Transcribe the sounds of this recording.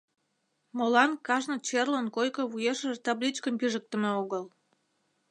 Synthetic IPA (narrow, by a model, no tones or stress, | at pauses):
molɑnkɑʒnə̆t͡ɕerlənkojkə̆βujeʃəʒt̪ɑblʲit͡ɕkəmpyʒək̚t̪ə̆meoɣəl